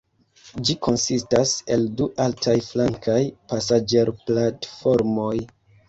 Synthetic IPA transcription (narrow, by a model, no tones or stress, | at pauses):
d͡ʒikʰo̞nsistase̞lduʔaltʰajflaŋkʰajpasad͡ʒe̞ɾplatfo̞ɾmo̞j